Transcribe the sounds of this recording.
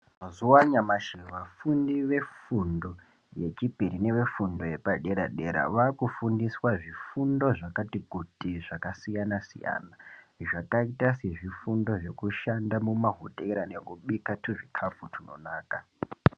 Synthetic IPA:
mazuwaɲamaʃiʋafundiʋe̞fundo̞ | je̞t͡ʃipiɾine̞ʋe̞fundoje̞paɗe̞ɾa̰ɗeɾa̰ʋakufundiswaʐifundo̞ʐakatikutiʐakasijanasḭja̰na | ʐakaitaseʐifundo̞ʐe̞kuʃandamumaɦutʼeɾanekuɓikatʰuʐikʰap͡futʰuno̞̰naːka

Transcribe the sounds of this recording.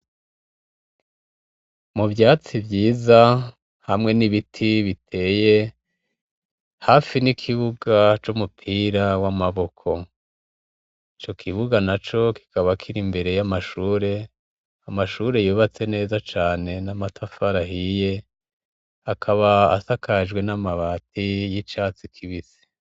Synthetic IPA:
muvjaːt͡sivjiːza | hamŋe̞niβitʰiβitʰe̞ːje̞ | hafinikʰiβuɡat͡ʃumupʰiːɾawamaβo̞kʰo̞ | it͡ʃo̞kʰiβuɡanat͡ʃo̞ki̥kaβakʰiɾimbe̞ɾe̞jamaʃuːɾe̞ | amaʃuːɾe̞juːβat͡se̞ne̞ːzat͡ʃaːne̞namatʰafaɾaɦije̞ | akʰaβa̰ːsakad͡ʒɡwe̞namaβatijit͡ʃaːt͡sikʰiβizi̥

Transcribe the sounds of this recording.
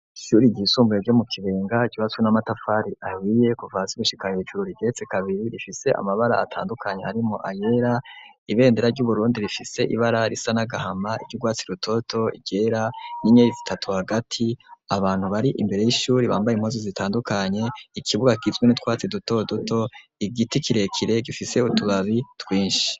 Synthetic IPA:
iʃuːɾiɟiːsuːmbujeɾɟomukʰiβe̞ːŋɡaɟuβaswenamatafaːɾiʔahije̞kuvasiβuʃi̥kajet͡ʃuɾuɾiɟet͡sekaβiɾiɾifise̞ʔa̰maβaɾaatʰa̰ːndukʰaɲe̞haɾimo̞̰ʔaje̞ɾa | iβe̞ːndeɾaɾɟuβuɾuːndiɾifise̞ʔḭβaɾaɾisanaɡahamaiɾɟuɡwaːt͡siɾutʰo̞tʰo̞ḭɟe̞ːɾaniɲeizitʰatʰuhaɡatʰiaβaːn̥huβaɾiʔimbe̞ɾe̞jiʃuːɾiβaːmbajim̥hozozitʰaːndukʰaɲe̞ikʰiβuɡakizɡwenitwaːt͡siduto̞dotʰo̞iɡitikiɾe̞kʰiɾe̞ɡifise̞utuβaβitwiːnʃi̥

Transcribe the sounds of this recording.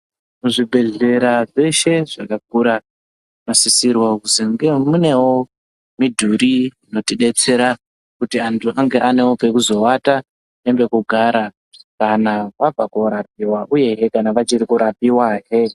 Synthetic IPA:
muʐibʱe̞ɮe̞ɾaʐe̞ʃe̞ʐakak̚uɾa | masisirwakusiŋɡe̞mune̞wo̞ | midʱuɾiino̞tiɗe̞t͡se̞ɾa | kutiantʰuʔaŋɡe̞ʔane̞wopekuzo̞wata | embe̞kuɡʱaɾa | kanaʋab͡vakoɾap̚iwaʔuje̞ɦekanaʋat͡ʃiɾikuɾapiwaɦe

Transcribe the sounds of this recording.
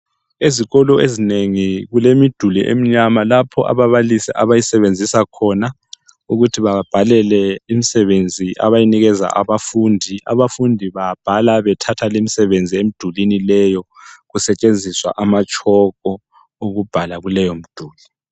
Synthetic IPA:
eziɣɔlɔezineŋiɣulemid̥ʱuliʔḛm̩ɲamalapʰɔʔa̰βaβalisɛ̰ʔaβajisɛβend͡zʱisakʰɔna | uɣutʰiβab̥ʱalɛlɛimisɛβend͡zʱiʔa̰βajiniɣɛza̰ʔa̰βafundʱia̰βafundʱiβab̥ʱalaβɛtʰatʰalimisɛβend͡zʱiemid̥ʱulinilɛjɔɣusɛt͡ʃʼend͡zʱiswa̰ʔamat͡ʃʼʰɔɣɔ | oɣub̥ʱalaɣulɛjom̩d̥ʱuːli

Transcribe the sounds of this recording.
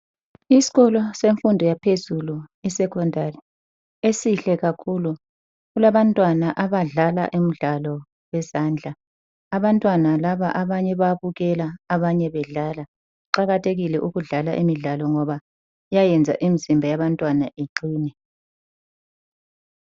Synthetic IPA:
isi̥ɣɔlɔseɱfundʱɔjapʰezuluisɛkʰɔndʱari | esiɬɛɣakʰulu | ɣulaβantʼwanaʔaβaɮala̰ʔem̩ɮalɔ | wɛzand͡ɮʱaː | βantʼwanalaβaʔaβaɲɛβaβuɣɛlaːβaɲɛβɛɮaːla | ǃaɣatʰeɣilɛʔuɣuɮala̰ʔimiɮalɔŋɔβa | jajɛnd͡zʱa̰ʔimizimbʱajaβantʼwanaʔeǃiːnɛ

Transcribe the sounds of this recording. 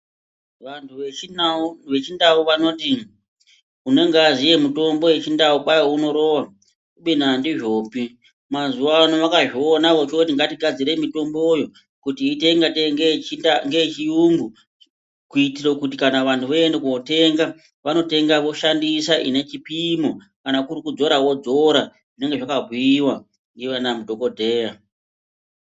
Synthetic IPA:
ʋantʰuʋe | ʋe̞t͡ʃindauʋano̞ti | une̞ŋɡazije̞muto̞mbo̞je̞t͡ʃindaupajouno̞ɾo̞wa | kuɓinandiʐo̞ːpi | mazuʋanoʋakaʐionaʋo̞t͡ʃoutiŋɡatiɡʱad͡ziɾe̞mito̞mbo̞jo̞ | kutiːte̞ŋɡateŋɡenaŋɡet͡ʃijuŋɡu | kuitiro̞kutikanaʋantʰuʋoendekuote̞ŋɡa | ʋano̞te̞ŋɡaʋo̞ʃandisaʔḭne̞t͡ʃipimo | kanakurikud͡zo̞ɾawo̞d͡zo̞ɾa | ʐine̞ŋɡeʐakabʱuiwa | ŋɡeʋanamudʱo̞ko̞dʱe̞ːja

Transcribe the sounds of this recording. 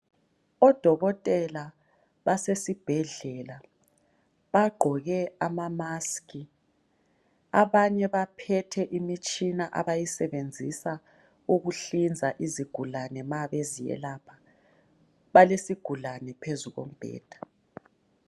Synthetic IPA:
ɔd̥ʱɔɣɔtʼɛla | βasesib̥ʱɛɮɛla | βaɡ͡ǃʱɔɣɛamamaski | aβaɲɛβapʰɛtʰɛʔimit͡ʃʼinaʔa̰βajisɛβend͡zʱisa | uɣuɬind͡zʱaʔiziɡ̥ʱulanɛmaβezijɛ̰laːpʰḁ | βalesiɡ̥ʱulanɛpʰezuɣo̰m̩b̥ʱɛ̰ːd̥ʱḁ

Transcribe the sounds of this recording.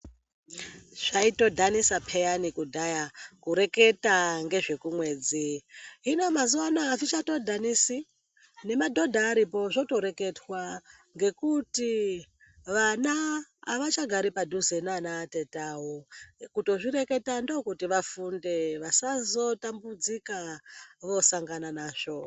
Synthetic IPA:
ʐ̥aito̞dʱanisapʰejanikudʱajakuɾe̞ke̞taŋɡe̞ʐe̞kumwe̞ːd͡ziɦinomazuwanaːvit͡ʃato̞dʱanisi | ne̞madʱo̞dʱaːɾipo̞ʐo̞to̞ɾe̞ke̞twa | ŋɡe̞kuti | ʋanaːʋat͡ʃaɡʱaɾipadʱuzenanaːtetawokuto̞ʐiɾe̞ke̞tando̞kutiʋafunde̞ʋasazo̞tambud͡zikaʋo̞saŋɡananaːʂo̞

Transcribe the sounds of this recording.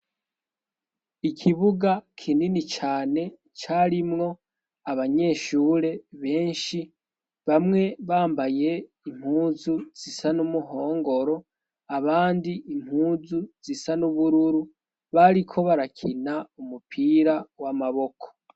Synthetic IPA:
ikʰiβuɡakʰininit͡ʃaːne̞ | t͡ʃaɾimŋo̞ | aβaɲe̞ːʃuːɾe̞βe̞ːnʃi | βamŋe̞βaːmbaje̞ | im̥huːzuz̥isanumuɦo̞ːŋɡo̞ɾo̞ | aβaːndiim̥huːzuz̥isanuβuɾuɾu | βaɾikʰo̞βaɾakʰinaumupʰiːɾawamaβo̞kʰo̥

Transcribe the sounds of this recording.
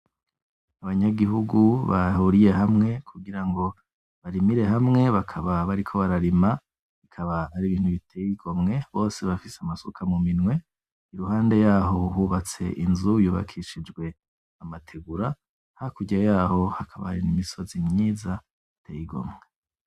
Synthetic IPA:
aβaɲaɡiɦuɡuβa̰huɾije̞hamŋe̞kʰuɡiɾaŋɡo̞ | βaɾimiɾe̞hamŋe̞βakʰaβaβaɾikʰo̞βaɾaɾima | βikʰaβaaɾiβiːn̥huβitejiɡ̥o̞mŋe̞βo̞ːse̞βafiseamasokʰamuminwe̞ | iɾuɦaːnde̞jaːɦo̞huːβat͡se̞̰ʔinzujuːβa̰kʰiʃid͡ʒɡwe̞ | amatʰe̞ɡuɾa | hakuɟajaːho̞hakʰaβa̰aɾinimiso̞zimɲiːza | itʰejiɡo̞̰mŋe

